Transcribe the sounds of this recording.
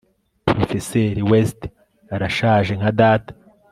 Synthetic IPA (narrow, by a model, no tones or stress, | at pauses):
pɾofeseɾiwest | aɾaʃaːʒe̞ŋ̥adaːtḁ